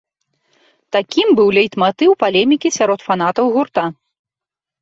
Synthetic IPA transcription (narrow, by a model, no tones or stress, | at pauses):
t̪akʲimbɨwlʲɛjt̪mat̪ɨwpalʲɛmʲikʲisʲaɾɔt̪fan̪at̪ɐwɣurt̪a